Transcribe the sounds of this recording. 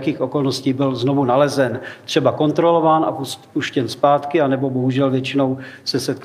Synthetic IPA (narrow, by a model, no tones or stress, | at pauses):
kiːxʔo̞ko̞lnosciːbɪlzno̞vunalɛzɛnt̪r̥ɛbako̞nt̪ɾo̞lo̞vaːnʔa̰puspuʃcɛnspaːt̪kɪanɛbo̞bo̞ɦuʒɛlvjɛt͡ʃɪno̞wsɛsɛt̪̚k